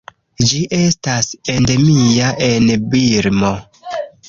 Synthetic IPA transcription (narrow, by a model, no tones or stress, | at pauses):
d͡ʒiʔe̞stasende̞miaʔe̞nbiɾmo